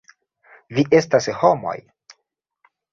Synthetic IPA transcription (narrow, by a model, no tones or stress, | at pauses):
viʔe̞stashomo̰j